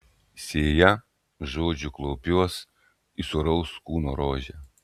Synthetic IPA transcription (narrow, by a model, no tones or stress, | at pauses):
sʲeːjɛ | ʒoːd͡ʒʲʊklˠɔːpʲuɔs | isʊɾɐʊskuːnɔɾoːʒʲɛ